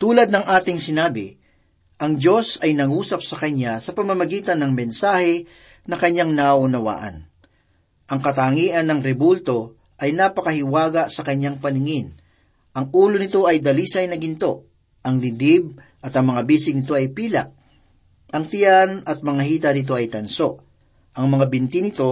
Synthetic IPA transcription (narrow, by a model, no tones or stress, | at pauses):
t̪uːlɐd̪̚nɐŋʔaːt̪ɪŋsɪnaːbɪ | ʔɐŋd͡ʒo̞sɐjnɐŋuːsɐp̚sɐkɐɲːasɐpɐmɐmɐɡiːt̪ɐnːɐŋmɛnsaːhɛ | nɐkɐɲːaŋnaʔʊnɐwa̰ːʔɐ̰n | ʔɐŋkɐt̪aŋiːʔɐnːɐŋɾɛbult̪o̞ | ʔɐjnapɐkɐhɪwaːɡɐsɐkɐɲːaŋpɐnɪŋɪn | ʔɐŋʔuːlonɪt̪o̞ʔɐjd̪ɐliːsɐjnɐɡɪnt̪o̞ | ʔɐŋlɪd̪ib̚ | ʔɐt̪ɐŋmɐŋabiːsɪɡnɪt̪̬o̞ʔɐjpiːlɐʔ | ʔɐŋt̪ɪjanɐt̪̚mɐŋaɦiːt̪ɐnɪt̪o̞ʔɐjt̪ɐnso̞ʔ | ʔɐŋmɐŋabɪnt̪ɪnɪt̪o̞